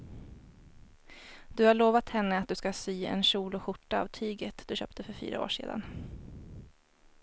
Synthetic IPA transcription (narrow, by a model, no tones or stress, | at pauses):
d̪ɵhaɭoːvat̪hɛnːəat̪̚d̪ɵskasyːɛ̰nɕuːlʊɧʊʈːa̰ːvt̪ʰyːɡət̪d̪ɵɕœ̰ːpt̪ʰəfœɾfy̰ːɾʔa̰o̰ːʂḛːd̪a̰n